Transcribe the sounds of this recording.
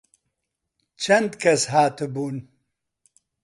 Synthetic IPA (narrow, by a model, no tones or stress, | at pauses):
t͡ʃʰɐnd̪kʰɐsɦaːt̪ɨbuːn